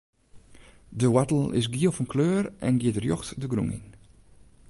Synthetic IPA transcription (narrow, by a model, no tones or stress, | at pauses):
dəwatl̩ˠɪ̰s̬ɡiəfənkʰløːrʔɛ̰nɡiətərjɔxtdəɡɾṵŋḭn